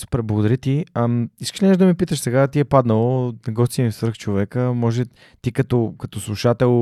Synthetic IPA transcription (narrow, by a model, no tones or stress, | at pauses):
su̥pɾɛblˠəɡod̪ɐɾʲit̪iəmiskə̥ʃlʲinɛʒd̪ɐmipit̪əʃsɛɡat̪iɛpad̪nəlˠonɐɡɔst̪imifsvɾəxt͡ʃovɛkəmɔʒɛ | t̪ikɐt̪ɔkɐt̪ɔslˠuʃat̪ɛlˠ